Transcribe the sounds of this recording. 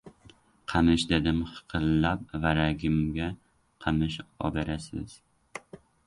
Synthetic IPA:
qʰɑmɪʃd̪ed̪ɪmχɨ̥qʰɨlːap̚vaɾaɡʲɪmɡʲa | qʰɑmɪʃɒ̰beɾasɪ̰z̥

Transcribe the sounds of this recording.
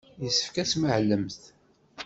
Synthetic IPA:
jəsːə̥fkæsməʕlːəmθ

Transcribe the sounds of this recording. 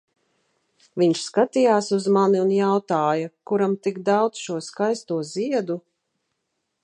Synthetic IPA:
viɲʃskat̪ijaːsuzmaniunjawt̪aːjakuɾamt̪iɡd̪awd̪zʃuɔskajst̪uɔziɛd̪u

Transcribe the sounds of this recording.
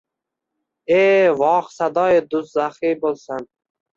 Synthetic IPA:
evɒːχsad̪ɒːjid̪uszaχibolsan

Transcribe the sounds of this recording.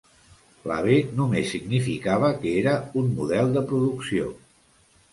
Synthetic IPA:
la̰β̞enumesːiɡnifikaβ̞əkeɾəunmuðɛlˠd̪əpɾuðuksio̰

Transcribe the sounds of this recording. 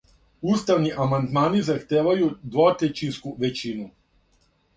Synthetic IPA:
ust̪aʋniʔamand̪maːnizaxt̪eːʋajud̪ʋot̪et͡ʃinskuʋet͡ɕinu

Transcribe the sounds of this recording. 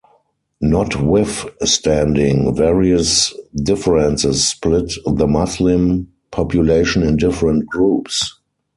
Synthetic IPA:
nɔtwɪθstæ̃ndɪ̃ŋvɛɹiəsdɪfəɹɛ̃nsɪsːplɪtðəmɔslɪ̃m | pʰɔpʰjuleɪʃə̃nɪ̃ndɪfəɹə̃nt̚ɡ̥ɹuːps

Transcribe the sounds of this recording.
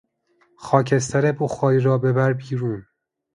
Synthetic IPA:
xɒːcʰes̬t̪ʰæɾeboxɒːjiɾɒːbebæɾbiːɾuːn

